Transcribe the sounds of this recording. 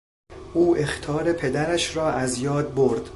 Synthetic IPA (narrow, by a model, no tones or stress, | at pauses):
ʔuːʔext̪ʰɒːɾepʰe̞d̪æɾæʃɾɒːʔæzjɒːd̪̚boɾd̪̥